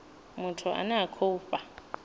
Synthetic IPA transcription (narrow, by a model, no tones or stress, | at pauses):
mʊtʰʊʔa̰nakʰoupʼa